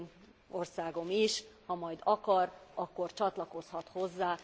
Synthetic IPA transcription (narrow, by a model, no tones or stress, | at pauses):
n | o̞rsaːɡo̞miʃhɒmɒjd̪ɒkɒrɒkːo̞rt͡ʃɒt̪lɒko̞shɒt̪ho̞zːaː